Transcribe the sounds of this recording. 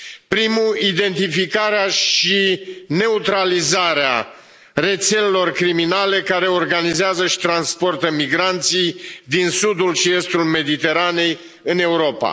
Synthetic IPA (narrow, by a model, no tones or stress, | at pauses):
pɾimuid̪e̞nt̪ifikaɾeaʃine̞ut̪ɾalizaɾea | re̞t̪se̞lelo̞rkɾiminale̞kaɾe̞o̞rɡanizeazəʃi̥t̪ɾanspo̞rt̪əmiɡɾant̪sijd̪insud̪ulʃie̞st̪ulme̞d̪it̪e̞ɾane̞j | ɨne̞uɾo̞pa̰